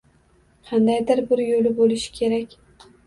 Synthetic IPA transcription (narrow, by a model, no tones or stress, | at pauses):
qʰɑnd̪ajd̪ɪɾbɪɾjolɪbolɪʃɪ̥kʲʰe̞ɾakʲ